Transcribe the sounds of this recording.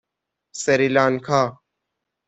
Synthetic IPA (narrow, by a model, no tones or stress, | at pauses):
sɐɾilaːnkʰaː